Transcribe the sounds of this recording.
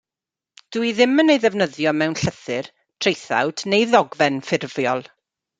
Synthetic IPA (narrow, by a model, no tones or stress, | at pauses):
d̥uiðɪmənejðɛvnəðjɔmɛwnɬəθɨr | tʰr̥ejθa̰wd̥nejðɔɡvɛnfɪrvjɔlˠ